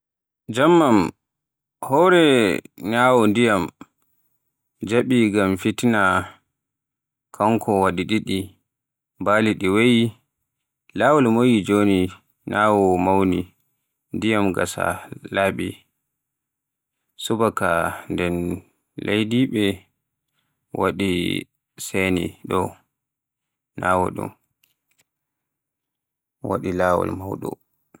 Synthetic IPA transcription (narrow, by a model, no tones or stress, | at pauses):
d͡ʒamːam | hɔɾɛnaːwɔndijam | d͡ʒaɓiɡamfitina | kʰaŋkʰɔwaɗiɗiɗi | baːliɗiweji | laːwɔlmojid͡ʒoni | naːwɔmawni | ndijamɡasa̰laːɓi | subakandɛn | lejdiɓɛ | waɗi | sɛnḭɗɔ | naːwɔ̰ɗṵm | wa̰ɗilaːwɔ̰lmawɗɔ̰